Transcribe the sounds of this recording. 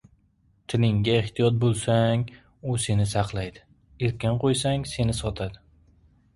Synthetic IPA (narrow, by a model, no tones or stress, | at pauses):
t̪ʰɪlɪŋɡʲaeht̪ʰijɒt̪̚bolˠsaŋ | ʊse̞nɪsɑqʰlˠajd̪ɪ | eɾkʲanqʰojsaŋse̞nɪsɒt̪ʰad̪ɪ